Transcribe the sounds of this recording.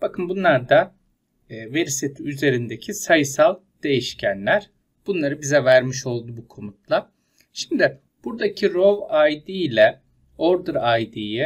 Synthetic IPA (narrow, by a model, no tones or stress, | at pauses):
b̥akʰɯnbunlˠaɾd̪aː | veɾset̪ʰiyze̞ɾind̪ecʰisajɯsalˠ | d̪̥e̞jiʃcʰænlʲæɾ̥ | b̥unlˠaɾɯbizɛvæɾmiʃo̞lˠd̪ubukʰo̞mut̪̚lˠa | ʃimd̪ɪ | b̥uɾd̪acʰiɾo̞vajd̪ijlʲɛ | oɾd̪ɯɾajd̪ijɛ